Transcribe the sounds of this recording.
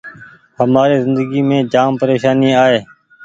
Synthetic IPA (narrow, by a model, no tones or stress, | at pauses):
həmaːɾiːzɪnd̪əɡiːmẽːd͡ʒaːmpəɾeːʃaːniːaːɦeː